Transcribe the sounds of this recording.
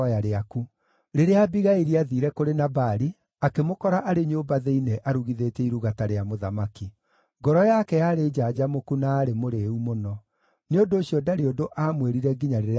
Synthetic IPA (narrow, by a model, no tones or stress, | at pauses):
aɾeaku | ɾeɾeabiɣaiɾiaðiɾɛkoɾenabaɾi | akemokɔɾaʔaɾeɲoːbaðeineʔaɾuɣiðetɛiɾuɣataɾeamoðamaki | ŋɡɔɾɔjakɛjaɾed͡ʑad͡ʑamokunaːɾemoɾeumonɔ | neondoːɕiɔdaɾeondoʔamweɾiɾɛɡiɲaɾeɾe